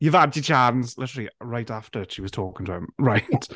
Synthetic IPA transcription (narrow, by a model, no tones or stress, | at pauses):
jəvadət͡ʃʰanslɪtəɹlˠiɹaɪtaftəʃiwɒz̥tʰɔːkɪ̃ŋtʰəɪ̰̃mɹaɪt